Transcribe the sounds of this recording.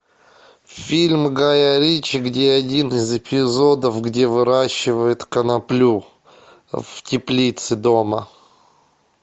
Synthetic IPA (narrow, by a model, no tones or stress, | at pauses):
fʲilʲmɡajaɾʲit͡ɕɪɡdʲeɐdʲinɨzɪpʲɪzod̪əfɡdʲevɨɾaɕːɪvəjɪt̪kənɐplʲu | vtʲɪplʲit̪sɨd̪omə